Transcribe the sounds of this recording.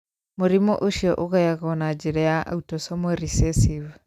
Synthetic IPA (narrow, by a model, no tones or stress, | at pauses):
moɾimɔʔoʃiɔʔoɣajaɣɔnad͡ʒiɾɛjaʔa̰utɔsɔmwɛɾisɛsiv